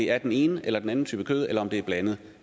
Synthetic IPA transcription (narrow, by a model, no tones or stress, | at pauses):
e̝æɐd̥ene̝ːnəʔelɐd̥enæn̩t͡sʰy̰ːb̥əkʰøːð̞ˠelɐɒ̽md̥e̝æɐb̥lɛnəð̞̩ˠ